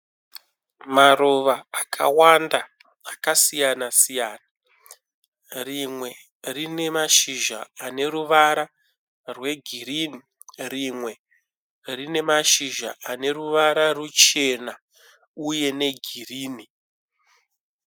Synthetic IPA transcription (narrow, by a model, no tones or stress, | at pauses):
maroʋaːkʰa̰wandaː | kasijanasijaːna | rimwe̞ | rine̞maʃiʒa̰ːne̞ɾuʋaɾa | rwe̞ɡʱiɾini | rimwe̞ | rine̞maʃiʒa̰ʔane̞ruʋaɾarut͡ʃe̞na | uje̞ne̞ɡʱiriːni